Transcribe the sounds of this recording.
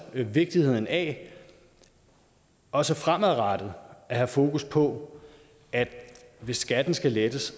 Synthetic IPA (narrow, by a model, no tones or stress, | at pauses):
ʋe̝ɡ̥̚d̥ihe̝ð̞̰ˠn̩æ | ɒ̽səfʁamæʁɑd̥əð̩ˠʔæhæfo̝ːkuspʰɒ̽ | ʔæd̥ʋe̝sːɡ̥æd̥n̩sɡ̥æled̥əs